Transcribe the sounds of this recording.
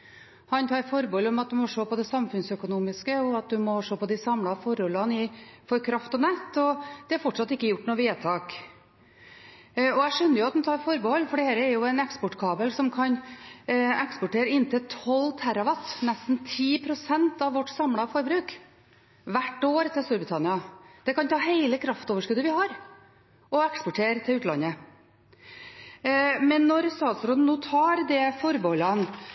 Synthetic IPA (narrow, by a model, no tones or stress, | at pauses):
hɑnt̪ʰɑːɾfɔɾbəɔlɔmɑt̪̚d̪ʉmɔʂoːpɔd̪ɛsɑmfʉnsœkʊnuːmɪskəɔɑt̪̚d̪ʉmɔʂoːpʰɔd̪ɪsɑmlɑfɔɾɔlɑnɪfɔɾkʰɾɑft̪ɔnɛt̪ːɔd̪̥ɛæɾfɔʈʂɑt̪ːɪkːəjʊʈːnuːʋeːt̪ʰɑːk | ɔæʂœnːəjʊɑt̪h̪nt̪ʰɑːɾfɔɾbəhɔlːfɔɖɛhæːɾəɛɾjʊɛnɛkspɔʈkʰɑːbəlsɔmkʰɑn | ɛkspɔʈeːɾəɪnt̪ʰɪlt̪ʰɔlːt̪ʰæɾɑʋɑt̪ːnɛst̪n̩t̪ʰiːpʰɾʊsɛnt̪ɑʋʋɔʈːsɑmlɑfɔɾbɾʉːk | ʋæʈːoːɾt̪ʰɪlst̪uːɾbɾɪt̪ʰɑnɪɑd̪̥ɛkɑnt̪ʰɑːɦeɪləkʰɾɑft̪oːʋəʂkʉd̪əʋɪhɑɾ | ʔɔɛkspɔʈʰeːɾt̪ʰɪlʉːt̪əlɑ̰nːə | mɛnːɔɾst̪ɑːd̪sɾoːd̪n̩ːuːt̪ʰɑːɾd̪ɛfɔɾbəhɔlːɑn